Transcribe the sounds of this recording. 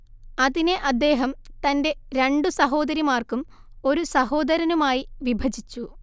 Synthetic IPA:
ɐðineʔɐd̪ːe̞ːɦɐmt̪ɐnde̞ɾe̞ɳɖusɐɦo̞ːd̪ɐɾimaːrkum | o̞ɾusɐɦo̞ːd̪ɐɾɐnumaːjiʋibʱɐd͡ʑit͡ɕːu

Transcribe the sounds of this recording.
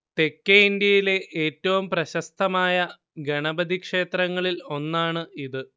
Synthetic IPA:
t̪e̞kːeind̪jɐjile̞ʔeːtːɐʋumprɐɕɐst̪ʰɐmaːjɐ | ɡɐɳɐbɐd̪ʱikʂe̞ːt̪rɐŋːɐɭilo̞nːaːɳɨiðɨ

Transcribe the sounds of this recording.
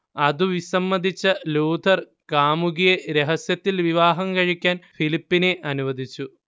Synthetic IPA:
ɐðuʋisɐmːɐd̪ʱit͡ɕːɐluːd̪ʱɐr | kaːmuɣijeɾe̞ɦɐsjɐt̪ːilʋiʋaːɦɐmkɐɻikʲːaːnfilipːineʔɐnuʋɐd̪ʱit͡ɕːu

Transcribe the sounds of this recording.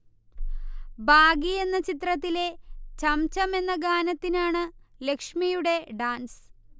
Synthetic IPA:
bʱaːɡie̞nːɐt͡ɕit̪rɐt̪ːile̞t͡ɕɐmt͡ɕɐme̞nːɐɡaːnɐt̪ːinaːɳɨle̞kʂmijuɽe̞ɖaːns

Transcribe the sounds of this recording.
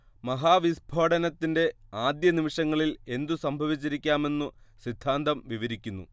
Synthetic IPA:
mɐɦaːʋisbʱoːɖɐnɐt̪ːinde̞aːd̪jɐnimiʂɐŋːɐɭile̞nd̪usɐmbʱɐʋit͡ɕːiɾikʲːaːme̞nːusid̪ʱːaːnd̪ɐmʋiʋɐɾikʲːunːṵ

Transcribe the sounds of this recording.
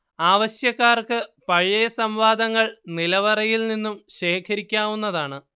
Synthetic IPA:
aːʋɐɕjɐkːaːrkɨpɐɻjɐjɐsɐmʋaːd̪ɐŋːɐɭnilɐʋɐrɐjilninːumɕe̞ːkʰɐɾikʲːaːʋunːɐðaːɳɨ

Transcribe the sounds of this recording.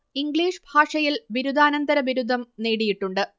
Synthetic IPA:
iŋɡɭiːʂbʱaːʂɐjilʋiɾud̪ʱaːnɐnd̪ɐɾɐʋiɾud̪ʱːɐmneːɽijiʈːuɳɖɨ

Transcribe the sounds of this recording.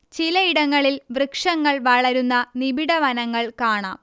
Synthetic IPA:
t͡ɕilɐiɽɐŋːɐɭilʋrɨkʂɐŋːɐɭʋɐɭɐɾunːɐnibiɽɐʋɐnɐŋːɐɭkaːɳa̰ːm

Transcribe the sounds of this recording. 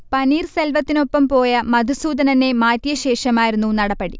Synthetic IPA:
pɐniːrselʋɐt̪ːino̞pːɐmpo̞ːjɐmɐd̪ʱusuːd̪ɐnɐne̞maːt̪jɐɕe̞ːʂɐmaːjiɾunːunɐɽɐpːɐɽḭ

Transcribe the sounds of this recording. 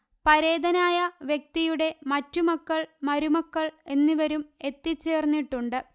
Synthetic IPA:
pɐɾe̞ːd̪ɐnaːjɐʋjek̚t̪ijuɽe̞mɐtːumɐkːɐɭmɐɾumɐkːɐɭe̞nːiʋɐɾume̞t̪ːit͡ɕːe̞ːrnːiʈːuɳɖɨ

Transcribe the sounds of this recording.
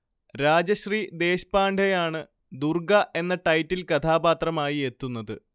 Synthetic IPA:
ɾaːd͡ʑɐɕrid̪e̞ːɕpaːɳɖʰʱɐjaːɳɨ | d̪urɡɐʔe̞nːɐʈɐjtːilkɐt̪ʰaːbaːt̪rɐmaːjie̞t̪ːunːɐðɨ

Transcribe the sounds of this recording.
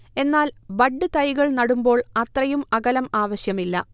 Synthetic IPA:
e̞nːaːlbɐɖːɨt̪ɐjɣɐɭnɐɽumbo̞ːɭɐt̪rɐjumɐɣɐlɐmaːʋɐɕjɐmilːɐ̰

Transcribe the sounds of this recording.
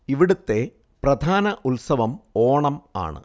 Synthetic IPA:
iʋiɽut̪ːe̞ | prɐd̪ʱaːnɐʔulsɐʋɐmoːɳɐma̰ːɳɨ̰

